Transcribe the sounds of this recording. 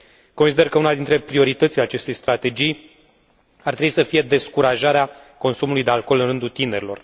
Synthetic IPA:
ko̞nsid̪e̞rkəunad̪int̪ɾe̞pɾio̞ɾit̪ət̪sile̞at͡ʃe̞st̪e̞jst̪ɾat̪e̞d͡ʒij | art̪ɾebwisəfije̞d̪e̞skuɾaʒaɾea | ko̞nsumulujd̪e̞alko̞lɨnrɨnd̪ult̪ine̞ɾilo̞̰r

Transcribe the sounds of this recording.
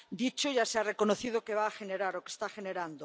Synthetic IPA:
d̪it͡ʃoʝasearekonoθiðokeβ̞aːxeneɾaɾokest̪axeneɾand̪o

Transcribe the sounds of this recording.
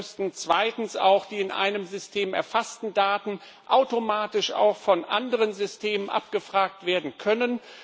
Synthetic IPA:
stn̩t͡sv̥aɪtn̩sa̰ʊxd̥iːɪnʔa̰ɪnəmzʏstʰeːmɛ̰ɐfastn̩daːtn̩ | ʔaʊtomaːtɪʃa̰ʊxfɔnʔa̰ndəʁənzʏstʰeːmənʔa̰p̚ɡ̥əfʁ̥aːk̚tv̥eːɐdn̩kʰœnən

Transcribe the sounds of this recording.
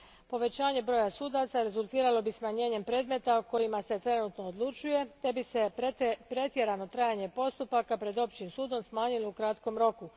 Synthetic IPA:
po̞ʋe̞t͡ɕaːɲe̞bɾo̞ːjasuːd̪at̪saɾe̞zulˠt̪iːɾalo̞bismaɲe̞ːɲe̞mpɾe̞ːd̪me̞t̪ako̞jimase̞t̪ɾe̞nut̪no̞ːd̪lˠut͡ʃuje̞t̪e̞bisepɾe̞t̪je̞ɾano̞t̪ɾajaɲe̞po̞st̪upakapɾe̞d̪o̞pt͡ɕimsuːd̪o̞msmaːɲilo̞ukɾat̪ko̞mɾo̞ku

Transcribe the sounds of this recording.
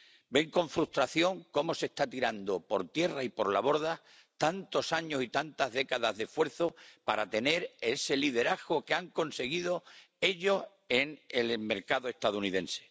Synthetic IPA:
be̞ŋkõ̞ɱfɾust̪ɾaθjo̞ŋko̞mo̞se̞st̪at̪iɾand̪o̞po̞ɾt̪je̞raipo̞ɾlaβo̞ɾða | t̪ant̪o̞saɲo̞sit̪ant̪aɦðe̞kaðazðe̞fwe̞ɾθo̞paɾat̪e̞ne̞ɾe̞se̞liðe̞ɾaɣɣo̞keaŋko̞nse̞ɣiðo̞ | e̞ʎo̞s | eŋelme̞ɾkaðoe̞ht̪aðouniðẽ̞nse̥

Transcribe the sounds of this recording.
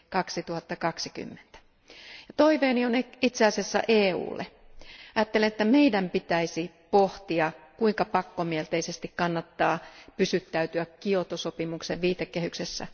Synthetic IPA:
kɑksit̪uhɑt̪ːɑkɑksiky̰mːe̥nt̪æ̥ | jɑt̪oiʋeːnionit̪seɑˑsesːæ̰ʔeːṵːlːḛɑjɑːt̪ːelenet̪ːæmeidæmpit̪æisi | poht̪iɑkuiŋkɑpɑkːomielt̪eisest̪ikkɑnːɑt̪ːɑːpysyt̪ːæyt̪yækkiot̪osopimukseʋʋiːt̪ekːehyksesːæ̰

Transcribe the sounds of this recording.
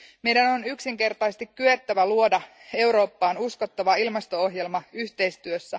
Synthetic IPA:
me̞jdæno̞nyksiŋke̞rt̪ɑjst̪ikkːyet̪ːæʋæluo̞dɑ | e̞wɾo̞ːpːɑːnusko̞t̪ːɑʋɑilmɑst̪o̞oɦjelmɑyçt̪e̞jst̪yøsːæ

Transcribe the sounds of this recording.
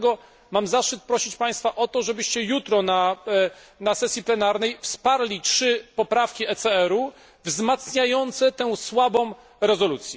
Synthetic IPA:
ɡɔ | mamzaʂɘt̪̚pɾɔɕit͡ɕpaj̃st̪faʔɔt̪ɔʐɛbɘɕt͡ɕɛjut̪ɾɔna | nasɛsʲjiplɛnaɾn̪ɛjfspaɾlʲitʂɘpɔpɾafkʲiɛt̪sɛɛɾu | vzmat̪sɲajɔnt̪sɛt̪ɛw̃swabɔ̃w̃ | ɾɛzɔlut̪sʲjɛ

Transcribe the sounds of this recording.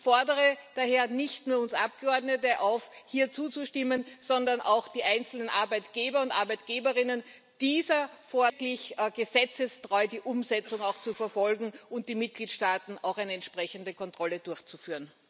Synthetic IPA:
fɔɐdəʁəd̥aheːɐnɪçtnuːɐʊnsʔap̚ɡ̥əɔɐdnətəʔaʊfhiːɐt͡suːt͡suʃtɪmənz̥ɔndɐnʔa̰ʊxd̥iːʔaɪnt͡sl̩nənʔa̰ɐbæɪtɡ̥eːbɐʊntʔa̰ɐbæɪt̚ɡ̥eːbəʁɪnən | d̥iːzɐfɔɐklɪçɡ̥əzɛt͡səstʁ̥ɔʏdiːʔʊmzɛt͡sʊŋaʊxt͡sufɛɐfɔlɡŋ̩ʔʊnt̚d̥iːmɪt̚ɡ̥liːtʃtaːtn̩a̰ʊxæɪnəɛntʃpʁ̥ɛçəndəkʰɔntʁ̥ɔləd̥ʊɐçt͡sufyːɐən

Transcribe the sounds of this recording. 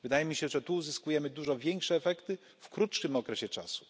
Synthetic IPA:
vɘd̪ajɛmʲiɕɛʐɛt̪uːzɘskujɛmɘd̪uʐɔvʲjɛŋkʂɛːfɛkt̪ɘ | fkɾutʂɘmɔkɾɛɕɛt͡ʂa̰su̥

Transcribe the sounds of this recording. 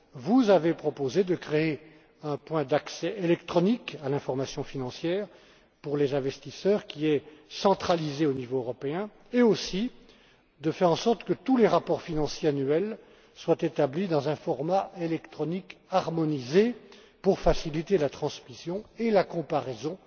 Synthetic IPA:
vuzavepχɔpozed̪əkχee | ɛ̃pwɛ̃d̪aksɛʔelɛkt̪χɔnikalɛ̃fɔʁmasjɔ̃finɑ̃sjɛːʁ | puʁlezɛ̃vɛst̪isœʁkʲiɛsɑ̃t̪χalizeonivoøʁɔpeɛ̃ | eosi | d̪əfɛʁɑ̃sɔʁt̪kət̪uleʁapɔʁfinɑ̃sjeanyɛl | swat̪et̪ablid̪ɑ̃zɛ̃fɔʁmaelɛkt̪χɔnikaʁmɔnize | puʁfasilit̪elat̪χɑ̃smisjɔ̃elakɔ̃paʁɛzɔ̃

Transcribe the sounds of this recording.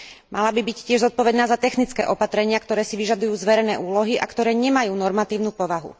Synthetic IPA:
malabibiccːɪɛʒzɔt̪̚pɔʋɛd̪naːzat̪ɛxnit͡skɛ̰ːʔɔpat̪ɾɛɲɪakt̪ɔɾɛːsiʋiʒad̪ujuːzʋɛɾɛnɛːʔuːlɔɦiʔa̰kt̪ɔɾɛːɲɛmajuːnɔɾmat̪iːʊnuːpɔʋaɦṵ

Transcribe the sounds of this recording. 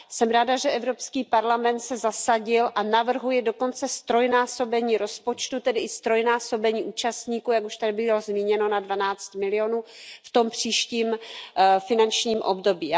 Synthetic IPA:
sɛmɾaːdaʒɛʔɛvɾo̞pskiːpaɾlamɛnt̪sɛzasaɟɪlʔanavr̩ɦujɛdo̞ko̞nt͡sɛst̪ɾo̞jnaːso̞bɛɲiːɾo̞spo̞t͡ʃt̪ut̪ɛdɪʔɪst̪ɾo̞jnaːso̞bɛɲiːʔuːt͡ʃast̪ɲiːkuːjakuʃt̪adɪbɪlozmiːɲɛno̞nadvanaːt͡st̪mɪlɪo̞nuːft̪o̞mpr̝̥iːʃciːm | fɪnant͡ʃɲiːmʔo̰bdobiː

